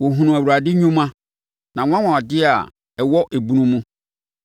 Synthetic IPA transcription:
wɔ˨ɦũ˨nũ˨æ˨wu˨ɾa˨dɪ˦ɲũ˦mã˦ | nã˨ŋ̃ʷ˦ã˦wã˨ɔ˨dɪ˦a˨ | ɛ˨wɔ˦ʔe˨bũ˦nũ˦mũ˦

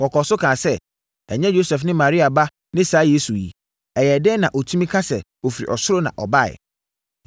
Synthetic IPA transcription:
wɔ˨kʰɔ˨sʊ˦kʰã˨sɛ˦ | ɛ˨ɲɛ̃˦jo˦sɛ˨fnɪ̃˦mã˨ɾi˦a˨ba˦ | nɪ̃˦saː˨˦jeː˦su˨jḭ˨ | ɛ˨jɛ˨dɛ˦nã˨ʔo˨tʰũ˦mĩ˦kʰa˦sɛ̰˨ | o˨fi˨ɾḭ˨ʔɔ˨sʊ˦ɾo˦nã̰˨ʔɔ˨ba˦˨ɪ̰˨

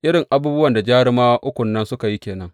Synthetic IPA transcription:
ʔɪ˦ɽɪ˨ŋʔa˦buː˦bʊ˦wɐ˨nda˨d͡ʒaː˦ɽɪ˦maː˦ʔʊ˦kʷʊ˨nːɐ˦nsʊ˦ka˨ji˦kʲeː˨nɐ˦ŋ

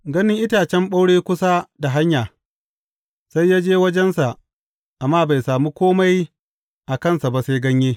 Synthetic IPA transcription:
ɡɐ˦nɪ˦ŋʔɪ˦taː˨t͡ʃɛ˦mɓa˦wɽeː˦kʷʊ˦sa˦da˨ɦa˦ɲjaː˨ | sa˦jːaː˦d͡ʒeː˦wɐ˦d͡ʒɛ˦nsa˨ʔ | ʔa˨mːaː˦ba˨jsaː˨muː˦kʷoː˦ma˦j | ʔa˨kɐ˦˨nsa˨ba˨se˦ɡɐ˦ɲjeː˦

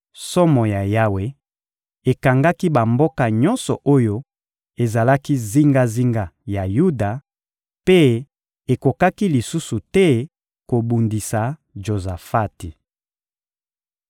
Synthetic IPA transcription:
sɔ˦mɔ˨ja˨ja˦we˨ | e˨ka˨ŋɡa˦ki˦ba˨mbo˦ka˨ɲɔ̃˦nsɔ˨ʔo˦jo˦ | e˨za˨la˦ki˦zi˦ŋɡa˦zi˦ŋɡa˨ja˨ju˦da˨ | pe˦ | e˨ko˨ka˦ki˦li˨su˦su˨tɛ˦ | ko˨bu˨ndi˨sa˨ʒo˨za˨fa˦ti˨

